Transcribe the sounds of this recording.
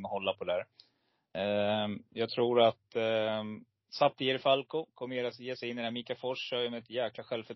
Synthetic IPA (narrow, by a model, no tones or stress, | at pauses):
nɔhɔlːapʰɔd̪ɛæːɾ | jɑːɡ̚t̪ʰɾuːɾat̪ | sap̚t̪ʰɪɛɾɪfalkʊkʰɔmːəjeːɾasjeːsɛjɪnːɛnæːmiːkafɔʂːɔjmɛɛt̪jæːklaɧɛlvfœ